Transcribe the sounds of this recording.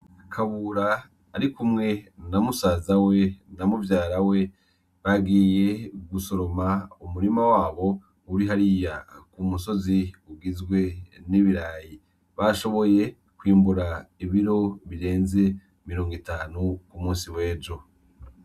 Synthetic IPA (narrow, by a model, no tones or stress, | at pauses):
kʰaβuɾaː | ɾikumŋe̞namusaːzawe̞namuvjaːɾawe̞ | βaɡije̞ɡuso̞ɾo̞maumuɾimawaːβo̞ | uɾiɦaɾijakumuso̞ziubɡizɡwe̞niβiɾaːji | βaʃo̞βo̞je̞ | kwiːmbuɾaiβiɾo̞βiɾe̞ːnze̞ | miɾo̞ːŋɡitaːnukumuːnsiwe̞ːɟo̞